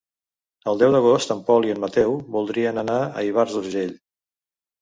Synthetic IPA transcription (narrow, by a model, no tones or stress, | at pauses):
əlˠd̪ɛwd̪əɣ̞ost̪əmpɔliəmmət̪ɛwβulˠd̪ɾiənənaə̰iβ̞aɾzuɾʒeʎ